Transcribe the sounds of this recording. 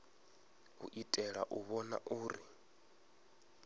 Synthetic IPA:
ɦṵʔitʼɛɺa̰ʔuβɔna̰ʔuːɾi

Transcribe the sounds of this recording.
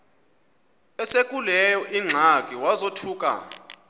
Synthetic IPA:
ɛsekʼulɛjɔʔiŋ͡ǀʱakʼiwazotʰuːkʼa̰

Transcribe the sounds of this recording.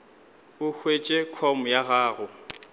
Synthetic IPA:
ʊhʰwet͡ʃʼekʰɔmʊjaɣaːɣʊ

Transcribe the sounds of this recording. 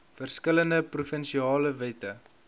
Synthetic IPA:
fərskələndəprufənʃiɑːləvɛtə

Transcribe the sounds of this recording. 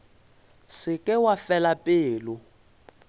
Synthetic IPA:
sɪkʼɪwafɛlapʼɪːlʊ

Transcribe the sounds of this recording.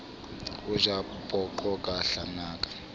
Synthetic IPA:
uʒa | pʼɔǃɔkʼaɬanaːkʼḁ

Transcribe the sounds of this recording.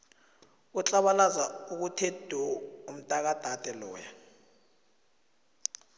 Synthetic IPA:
ut͡ɬʼaɓalazauk̬utʰed̥ʱuum̩tʼak̬ad̥ʱad̥ʱʼɛlɔ̰ːja

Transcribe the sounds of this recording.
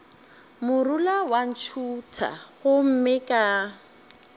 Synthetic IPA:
mʊrulawan̩t͡ʃʰutʰa̰ɣʊm̩mɪkʼa

